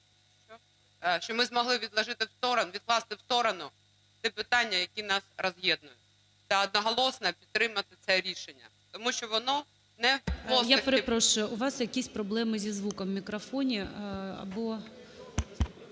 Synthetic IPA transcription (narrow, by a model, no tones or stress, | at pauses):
ʃt͡ʃɔmɪzmɔɦlˠɪʋʲid̪lˠɐʒɪt̪ɪwst̪ɔɾɔnʋʲid̪̚klˠɑst̪ɪwst̪ɔɾɔnʊ | t̪ɛpɪt̪ɑnʲːɐjɐkʲinɑsrɔzɦjɛd̪̚nʊjʊt̚ʲ | t̪sɛɔd̪̚nɔɦɔlˠɔsnɛpʲi̥t̪ːɾɪmɐt̪ɪt̪sɛɾʲiʃenʲːɐ̰t̪ɔmuʃt͡ʃɔʋɔnɔ | nɛpɔjapeɾepɾɔʃʊjʊʔʊʋɑsjɐkʲisʲpɾɔblˠɛmɪzʲizʋukɔmːʲikɾɔfɔnʲiɐ̰bɔ